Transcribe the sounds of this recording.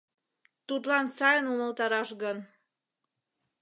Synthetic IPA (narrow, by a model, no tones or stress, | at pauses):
t̪ut̪lɑnsɑjənuməlt̪ɑɾɑʃɣən